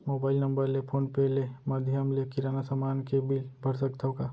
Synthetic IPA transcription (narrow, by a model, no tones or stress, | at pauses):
moːbaːɪlnɐ̃mbəɾlepʰoːnpelemɐd̪ʱjəmlekɪɾaːnasəmaːnkebɪlbʱɐɾsəkt̪ʰaka